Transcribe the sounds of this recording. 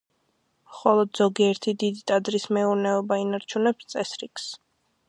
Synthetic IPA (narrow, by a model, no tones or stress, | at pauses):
χɔlˠɔd̪zɔɡiɛɾt̪ʰid̪id̪it̪ʼad̪ɾismɛuɾnɛɔbainaɾt͡ʃʰunɛpst̪sʼɛsɾikʰs